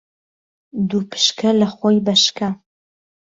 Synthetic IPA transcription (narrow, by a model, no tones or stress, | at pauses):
d̪upʰɨ̥ʃkʰɐlɐχojbɐʃkʰɐ